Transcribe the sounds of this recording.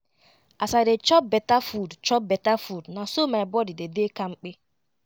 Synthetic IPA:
asadet͡ʃɔp̚bɛtafudt͡ʃɔp̚bɛtafudnasomaɪbɔdidedekaŋ͡m̩k͡pe

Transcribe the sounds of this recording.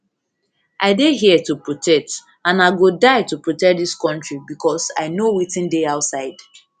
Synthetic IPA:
ʔaɪdeɦiɛtupɹotʰɛk̚t | ãnaɪɡodaɪtupɹotɛk̚diskɔ̃ntɹibikɔsaɪnowitɪ̃ndeaʊtsaɪd̥

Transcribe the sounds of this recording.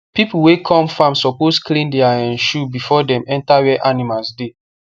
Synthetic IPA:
pipuwekʰɔ̃mfãmsɔposklĩndɛaɛ̃nʃubifɔdɛ̃mɛ̃ntawɛʔanimalsde

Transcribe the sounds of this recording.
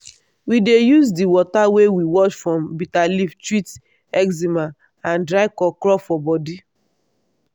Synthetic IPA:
widejuzdiwɔtawewiwɔt͡ʃfɹɔ̃mbitaliftɹit | ɛkzimã | ãndɹaɪkɔkɾɔfɔbɔdi

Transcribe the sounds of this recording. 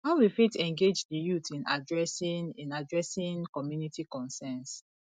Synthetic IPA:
haʊwifitɛ̃ŋɡed͡ʒdəjutʰĩna̰dɹɛsĩnḭ̃nadɹɛsĩŋkɔmjunitikɔ̃nsɛns

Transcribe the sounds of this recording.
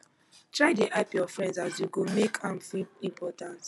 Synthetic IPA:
tɹaɪdeʔapiɔfɹɛ̃ndsazjukumekʰãmθĩĩmpʰɔtãnt

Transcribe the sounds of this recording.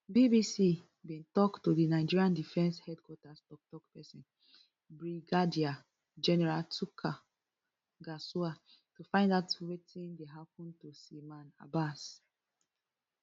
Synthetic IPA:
bibisi | bĩntɔktodinaɪd͡ʒiɹiãndifɛ̃nshɛdkwɔtastɔk̚tɔkpɛsĩn | bɹiɡadia | d͡ʒɛnɛɹaltukʰa | ɡasua | tufãɪ̃ndatwetʰĩndeɦap̚ɔ̃ntusimãna̰bas

